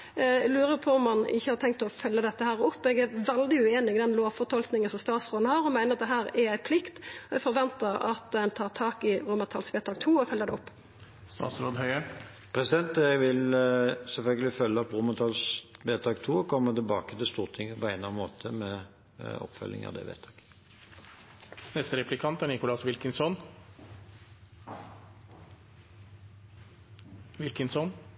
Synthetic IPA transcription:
lʉːɾəɾpʰɔɔmːɑnɪ̰çːəhɑt̪ʰɛŋkt̪ɔfœlːəd̪ɛt̪ːəhæːɾɔpːɔɛɡæʋɛld̪ɪʉeːnɪɡd̪ɛnloːʋfɔt̪ʰɔlknɪŋənsɔmst̪ɑːt̪sʁoːd̪n̩hɑːɾɔmæɪnəʁɑt̪̚d̪ɛɦæːɾɛæɪpʰlɪkt̪ɔɛfɔɾʋɛnt̪əɾɑ̰t̪ɛnt̪ʰɑːʁt̪ʰɑːkɪɾʊmət̪ʰɑːlsʋeːt̪ʰɑːkt̪ʰuːɔfœlːəɾd̪ɛɔpː | st̪ɑ̰ːt̪sɾoːd̪hœʏə | pʰɾɛsɪd̪ɛnt̪ɛɡʋɪlsɛlfœlɡəlɪfœlːəɑt̪ʁʊmət̪ʰɑlsʋeːt̪ʰɑːkt̪ʰuːɔkʰɔmːət̪ɪlbɑːkət̪ɪlst̪uːʁt̪ʰɪŋːəpɔæɪnlɑnmoːt̪ʰəmɛ | ɔ̰pːfœ̰lːɪ̰ŋɑ̰d̪ɛ̰ʋḛːt̪ʰɑːk | nɛst̪əɾɛplɪkʰɑnt̪æɳɪkʊlɑsʋɪlkənsɔn | ʋɪlkənsɔn

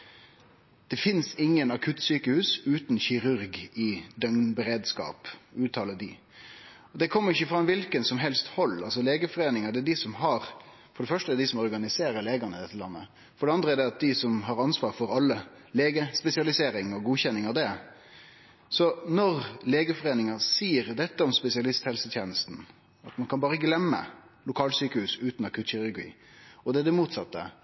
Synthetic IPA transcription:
d̪̥ɛfɪnsɪŋːənɑkʰʉt̪ːsyːkəhʉːsʉːt̪n̩çɪɾʉɾɡɪd̪œŋnbəɾeːd̪skɑ̰ːpʉːt̪ʰɑːləd̪ɪ | ɔd̪ɛkʰɔmːəɾɪçːəfɾɑmːʋɪlkənsɔmɦɛlst̪hɔlːɑlsɔleːɡəfɔɾeːnɪŋəd̪ɛæd̪ɪsɔmɦɑɾ | fɔɖɛfœʂʈəæɛd̪ɪsɔmɔɾɡɑnɪseːɾəɾleːɡənəd̪ɛt̪ːəlɑ̰nːə̰ | fɔɖɛɑnd̪ɾəæɖ̪ɛɑt̪̚d̪ɪsɔmɦɑɾɑnsʋɑːɾfɔɾɑlːə | leːɡəspɛsɪɑlɪseːɾɪŋɔɡuːçɛnːɪŋɑd̪ɛ | sɔnɔɾleːɡəfɔɾeːnɪŋɑsiːəɾd̪ɛt̪ːəɔmspɛsɪɑlɪst̪hɛlsət̪ʰjeːnəst̪n̩ | ɑt̪mɑnkʰɑnbɑːɾəɡlɛmːə̰ | lʊkʰɑːlsyːkəhʉːsʉːt̪nɑkʰʉt̪çɪɾʉɾɡḭː | ɔd̪ɛd̪ɛmuːt̪sɑt̪ːə̰

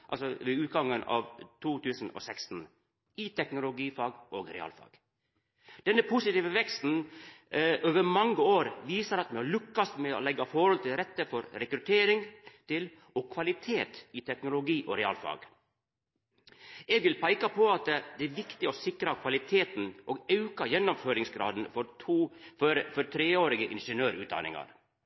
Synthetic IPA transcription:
ʔɑ̰lsɔʋɛʉːt̪̚ɡɑŋːənɑ̰ːʋt̪ʰuːt̪ʰʉːsn̩ɔ̰sɛkst̪n̩ | ɪt̪ʰɛknʊlʊɡiːfɑːɡʔoːɡɾɛ̰ɑ̰ːlfɑ̰ːɡ̥ | d̪ɛnːəpʰʊsɪt̪iːʋəʋɛkst̪n̩ | ʔoːʋəɾmɑŋɡəoːɾʋiːsəɾɑt̪mɛhɑɭʉkːɑst̪mɛɔ̰lɛɡɑfɔɾhɔlt̪ɪlɾɛt̪ːəfɔɾɾɛkɾʉt̪ʰeːɾɪŋt̪ɪl | ɔːkʰʋɑlɪt̪ʰeːt̪ɪt̪ʰɛknʊlʊɡiːʔo̰ɾɛɑ̰ːlfɑ̰ːɡ | ɛɡʋɪlpʰæɪkɑpʰoɑt̪d̪ɛːæʋɪkt̪ɪosɪkɾɑkʰʋɑlɪt̪ʰeːt̪n̩ʔoːɡɑʉkɑjɛnːɔmføːɾɪŋsɡɾɑ̰ːd̪n̩fɔɾʰuːfɾfɔɾt̪ʰɾeːoːɾɪɡəʔɪ̰nʂənøːɾʉːt̪d̪ɑ̰nɪ̰ŋɑ̰ɾ

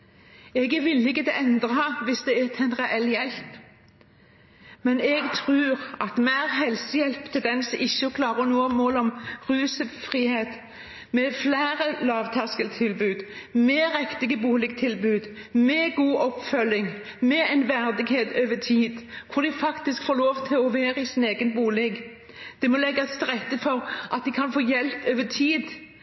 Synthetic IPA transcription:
ɛɡʋɪlːɪkːəd̪ɛʔɛnd̪ʁəɑʋɪsd̪ɛæt̪ʰɛnʁɛʔɛljɛlp | mɛnɛɡt̪ʰʁʉːɾɑt̪mæːʁɦɛlsəjɛlpt̪ʰɪld̪ɛnsɔɪçːəɔkʰlɑːʁənuːəmoːlɔmʁʉːsəfʁiːheːt̪ | mɛflæːɾəlɑːʋt̪ʰæskəlt̪ʰɪlbʉːd̪mɛʁɛkt̪ɪɡəbuːlɪɡt̪ʰɪlbʉːd̪mɛɡuːʔɔpfœlːɪŋ | mɛɛnʋæʁd̪ɪɡheːt̪øːʋət̪ʰiːd̪kʰʊd̪ɪfɑkt̪ɪskfoːɾloːʋt̪ʰɪlɔʋæːɾəɪsɪneːɡənbuːlɛɡ | d̪̥ɛmɔlɛɡːɑst̪ʁɛt̪ːəfɔʁʔɑt̪̚d̪ɪkʰɑnfoːjɛlpøːʋət̪ʰiːd̪

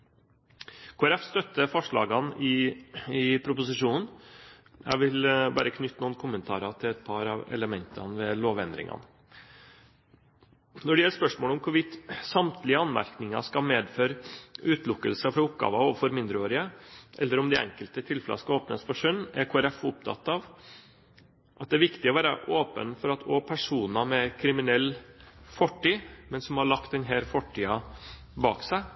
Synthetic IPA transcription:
kʰoːæɾɛfst̪œt̪ːəfɔʂɭɑːɡɑnɪɪpʰɾʊpʊsɪʂuːnn̩ | jæ̰ʋɪlbɑ̰ːɾəkʰnʏt̪ːnuːnkʰʊmənt̪ʰɑ̰ːɾɑt̪ʰɪlɛt̪̚pʰɑɾɑʋɛ̰ləmɛnt̪ʰɑ̰nʋɛloːʋɛnd̪ɾɪ̰ŋɑ̰n | nɔɖɛɪɛlːəspœʂmoːlɔmkʰʊɾʋɪt̪sɑmt̪ʰlɪəɑnmæ̰ɾknɪŋɑ̰skɑmeːd̪føːɾʉːt̪lʊkːəlsəfɾɑʊpɡɑ̰ːʋɑoːʋəfɔɾmɪnd̪ɾəoːɾɪəʔɛ̰lːəɾɔmd̪ɪɛ̰ŋkəlt̪ət̪ʰɪlflɑ̰skɑoːpnəspɔʂœnːæɾkʰoːæɾɛfʊp̚t̪ʰɑ̰t̪ːɑʋ | ʔɑt̪̚d̪ɛæʋɪkt̪ɪɔʋæːɾəʔoːpə̰nfɔɾɑt̪ʰoːpʰæʂuːnɑmɛkʰɾɪmɪnɛlːfɔʈːiːmɛnsɔmhɑɭɑkt̪̚d̪ɛnɦɛːɾfɔʈʰːiːɑ | bɑ̰ːksæɪ

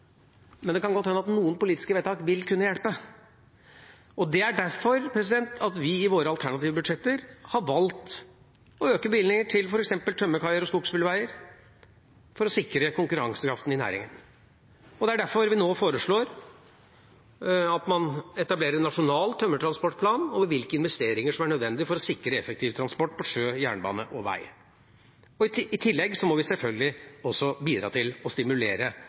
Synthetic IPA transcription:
mɛnd̪ɛkʰɑnɡɔt̪ːhɛnːəɑt̪nuːənpʊliːt̪ɪ̥skəʋɛːt̪ʰɑːkʋɪlkʰʉnːəjɛɽpə | ɔd̪ɛæɖæɾfɔɾpʰɾɛs̬ɪd̪ɛnt̪ʰɑt̪ʋɪɪʋoːɾəɑlt̪ʰæɳɑt̪iːʋəbʉd̪ʂɛt̪ːəɾhɑʋɑlt̪ | ɔøːkəbɪlnɪŋəʈʰɪlfɔɾɛksɛmpəlt̪ʰœmːəkʰɑɪəɾɔskuːɡspɪləʋæɪəɾ | fɔɾɔsɪkɾəkʰʊŋkʉɾɑ̰ŋsəkʰɾɑ̰ft̪nɪnæ̰ːɾɪ̰ŋə̰n | ɔd̪ɛæɖæɾfɔɾʋɪnoːfoːɾəʂɭoːɾ | ɑt̪mɑnɛt̪ɑbleːɾəɾɛnːɑʂʊnɑːlt̪ʰœmːət̪ʰɾɑnspɔʈːpʰlɑːnɔʋʋɪlkəɪnʋɛst̪eːɾɪŋəʂɔmæɳœd̪ʋɛnd̪ɪfɔɾɔsɪkːɾəɛfɛk̚t̪ʰiːʋt̪ɾɑnspɔʈːpɔʂøːjæ̰ːɳəbɑ̰ːnəʔɔʋæ̰ɪ | ɔɪt̪ʰɪlːɛɡsɔmɔʋɪsɛlfœlɡəlɪɔsɔbiːd̪ɾɑ̰ːt̪ʰɪlɔst̪ɪmʉleːɾə

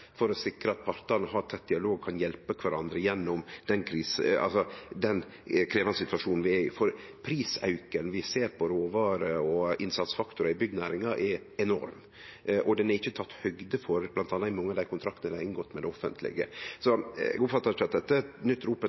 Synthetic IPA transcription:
fɔɾɔsɪkɾəɑt̪̚pʰɑɾt̪ɑnəɦɑɾt̪ʰɛt̪̚d̪ɪɑloːɡ̚kʰɑnjɛlpəkʰʋæɾɑnd̪ɾəjɛnːɔmd̪̥ɛnkʰɾiːsɑ̰lsɔd̪ɛn | kʰɾeːʋɑnsɪt̪ʋɑʂuːnn̩ʋɪɛɪfɔɾ | pʰɾiːsɑ̰ʉkənʋɪseːɾpʰɔɾoːʋɑːɾəɔɪnsɑt̪sfɑkt̪ʊɾɑɪbʏɡd̪næːɾɪŋɑʔɛɾ | ɛnɔ̰ɾm | ʔɔd̪ɛnɛɾɪçːət̪ʰɑt̪ːhœɡd̪əfɔɾb̥lɑnt̪ʰɑnːɑɪmɑŋːəɑd̪æɪkʊnt̪ʰɾɑk̚t̪nəd̪æɾɪnɡɔt̪ːmɛd̪ɛɔfə̰nt̪ʰlɪ̰ɡə̰sɔɛ̰ɡʊpfɑt̪ːɑt͡ʃɑt̪̚d̪ɛt̪ːənʏt̪ːɾuːpə

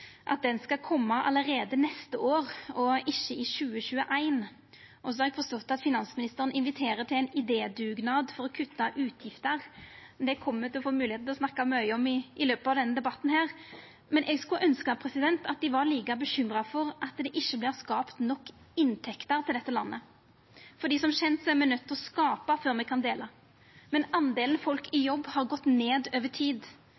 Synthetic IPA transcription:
ʔɑ̰t̪̚d̪ɛnskɑkʰɔmːɑʔɑ̰ləɾeːd̪ənɛst̪əʔoːʁɔɪçːəɪʃʉːəɕʉːəʔæɪn | ʔɔsɔhɑɾɛɡfɔst̪ɔt̪ːɑt̪fɪnɑnsmɪnɪst̪əɾənɪnʋɪt̪ʰeːɾət̪ʰɪlæɪnɪd̪eːd̪ʉːɡnɑd̪fɔɾɔkʰʉt̪ːɑʔʉːt̪ʰjɪft̪əʁd̪ɛkʰɔmːət̪ɪlɔfoːmʉːlɪeːt̩̪ʰlɔsnɑkːɑmœʏɔmɪʔɪløːpəɑʋd̪ɛnːəd̪ɛbɑt̪ːn̩hæːʁ | mɛnʔɛɡskʉʔœnskɑpʰɾɛsɪd̪ɛnt̪ɑt̪̚d̪ɪʋɑɾliːkɑbəɕʏmɾɑfɔɾʔɑt̪d̪ɛʔɪçːəblɪːʁskɑːpt̪nɔkː | ɪnt̪ʰɛkt̪əɾt̪ʰɪld̪ɛt̪ːəlɑnːə | fɔɖ̪iːsɔmɕɛnt̪sɔæɾmɛnœt̪ʰːɔskɑːpɑføːɾmɛɡkʰɑnd̪eːlɑ | mɛnɑnd̪eːlən̩fɔlkʰɪjɔbːhɑɾɡɔt̪ːneːd̪øːʋəʈʰiːd̪

